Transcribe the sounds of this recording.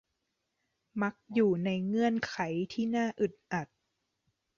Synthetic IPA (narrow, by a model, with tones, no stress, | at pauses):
ma˧˦˥k̚juː˨˩na˧jŋɤ˧ənkʰa˩˦jt̪ʰiː˥˩naː˥˩ʔɯ˨˩t̪̚ʔa˨˩t̪̚